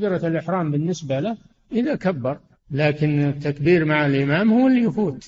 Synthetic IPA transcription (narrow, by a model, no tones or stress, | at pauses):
bɪɾɑlʔɪħɾaːmbɪnːɪsbalɪh | ʔɪðakabːɑɾˤ | laːkɪnɪt̪ːakbiːɾmaʕalʔɪmaːmhuːɪlːijfuːt̪